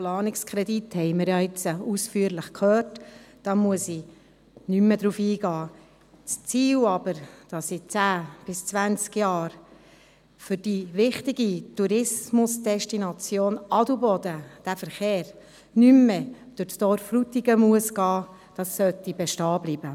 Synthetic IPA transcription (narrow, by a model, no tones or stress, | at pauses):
plɑːnɪkskʰɾɛd̪ithɛɪməɾjɑɪt͡səusfyːəɾlɪχkʰhœːɾtd̥ɑmuəsi | nymːəd̥ɾuːfiːɡɑː | t͡st͡siːwɑb̥əɾd̥ɑsit͡sæːb̥ɪst͡sʋænt͡skjɑːɾ | fʏɾd̥iʋɪχtɪɡituɾɪsmʊsd̥ɛʃtinɑt͡sjoːnɑdubɔd̥̪əd̥æfəɾχeːɾ | nymːɛd̥ʊɾstɔɾfrutiɡəmuəsɡɑː | d̥ɑsːœtːibɛʃtɑːblibə